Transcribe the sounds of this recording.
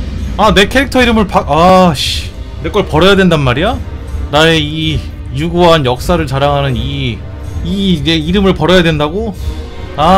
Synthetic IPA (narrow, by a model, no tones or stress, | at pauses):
ane̞kʰeɾik̚tʰʌiɾɯmɯɭpakaɕ | ne̞k͈ʌɭpʌɾʌjadwendanmaɾija | nae̞i | juɡuɦanjʌk̚s͈aɾɯɭt͡ɕaɾaŋɦanɯni | ine̞iɾɯmɯɭpʌɾʌjadwe̞ndaɡo | a